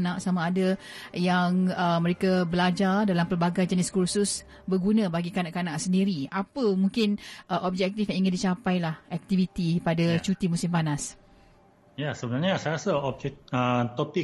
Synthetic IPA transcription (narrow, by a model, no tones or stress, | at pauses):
nãʔsamaːdajaŋəmə̃ɾekabəlad͡ʒardalampəlbaɡajd͡ʒənɪskursus | bərɡunãbaɡikanaʔkanãʔsəndiɾiapəmuŋkɪnʔəʔɔb̚d͡ʒɛk̚t̪ifjãiŋandit͡ʃapajlahɛk̚t̪ivit̪ipadat͡ʃut̪imusɪmpanas | jasəbənarɲasajɾasaɔb̚d͡ʒɛk̚ət̪ɔpi